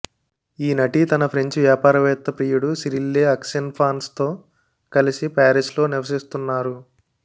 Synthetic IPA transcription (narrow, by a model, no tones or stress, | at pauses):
iːnɐʈit̪ɐnɐpʰɾeɲt͡ʃʋjaːpaːɾɐʋɛːt̪ːɐpɾiːjuɽusiɾilːeɦɐkʂɐnpʰaːnst̪o̞ː | kɐlisipaːɾislo̞ːniʋɐs̬ist̪unːaːɾu